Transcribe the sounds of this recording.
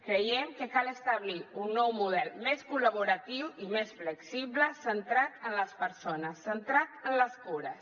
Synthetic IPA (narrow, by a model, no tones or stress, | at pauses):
kɾəjɛmkəkaləst̪əβliunːɔwmuð̞ɛlˠmeskuləβuɾat̪iwimesfləksiβləsənt̪ɾat̪ənləspəɾsonəsːənt̪ɾat̪ənləskuɾəs